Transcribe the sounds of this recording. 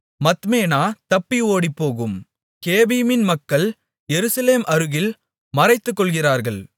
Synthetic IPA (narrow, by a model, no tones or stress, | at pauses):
mɐt̪meːnaːt̪ɐpːioːɽipːoːɣɯm | keːbijmɪnmɐkːɐɭ | jɛɾɯsɐleːmʔɐɾɯɣɪl | mɐrɐɪt̪ːɯkːɔɭɣɪraːɾɣɐɭ